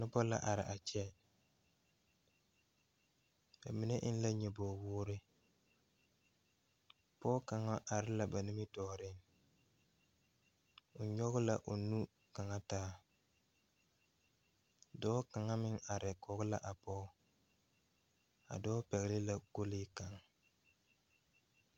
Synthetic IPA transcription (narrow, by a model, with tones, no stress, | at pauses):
nɪ˦bɔ˦la̰˦ʔa˨ɾɪ̰˨ʔa˨t͡ʃɛ˦ | ba̰˨mi˨˦ne˦ʔɪ˦n˦la˦ɲɛ˨bɔː˨wʊː˦ɾɪ˦ | pɔː˦ka˨ŋa˦ʔa˨ɾɪ˦la˨ba˨nɪ˦mɪ˦tɔː˨˦ɾɪ˦ŋ | ʊ˨ɲɔ˦ɣʊ˦la˨ʔo˨nu˦ | ka˨ŋa˦taː˦ | dɔː˦ka˨ŋa˦mɪ˦ŋa˨ɾɪ˨kɔ˨ɣʊ˦la˨ʔa˨pɔː˦ | a̰˨dɔː˦pɛ˨ɣɪ˨lɪ˦la˨ko˦lɪː˦ka˨ŋ